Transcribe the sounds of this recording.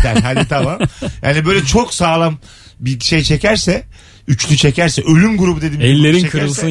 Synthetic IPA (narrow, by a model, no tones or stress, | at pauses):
æɾɦalʲit̪ʰamamja̰ːnibø̞jlʲɛt͡ʃʰo̞ksaːlˠam | biʃe̞jt͡ʃʰe̞cʰæɾsɛ | yt͡ʃlʲyt͡ʃʰe̞cʰæɾsɛʔø̞lʲymɡuɾubud̪e̞d̪imɛlʲːe̞ɾiekʰɯɾɯlˠsɯ